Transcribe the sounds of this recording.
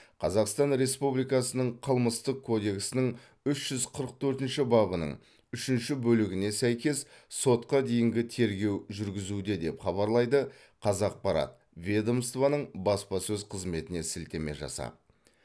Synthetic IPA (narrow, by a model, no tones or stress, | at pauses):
qʰɑzɑqst̪ɑnɾe̞spublijkɑsənəɴqʰəlˠməst̪əq̚kʰːo̞d̪e̞kʲsɪnɪɴ | ʏʃʒ̥ʏzqʰəɾəq̚t̪ʰɵɾt̪ɪnʃɪbɑbənə̰ɴ | ʏʃɪnʃɪbɵlɪɡʲɪne̞sæjkʲe̞sso̞t̪qɑd̪e̞jɪŋɡʲɪt̪ʰe̞ɾɡʲe̞wʒʏɾɡʲɪzud̪ed̪e̞pχɑβɑɾlˠɑjd̪ə | qʰɑzɑq̚pɑɾɑ̰t̪̚ | vʲed̪o̞mst̪vanəɴbɑspɑsɵzqʰəzme̞t̪ɪne̞sɪlt̪e̞me̞̰ʒɑ̰sɑ̰p